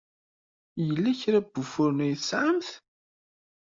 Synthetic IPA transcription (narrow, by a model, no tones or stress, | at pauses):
jəlːæçɾæb̥ːufʊɾnæjθsʕamθ